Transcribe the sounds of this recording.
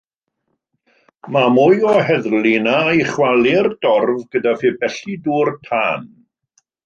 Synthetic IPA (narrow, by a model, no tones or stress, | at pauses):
mamʊjɔɦɛðlinajχwalˠird̥ɔrvɡ̥ədafɪbɛɬiduːrtʰaːn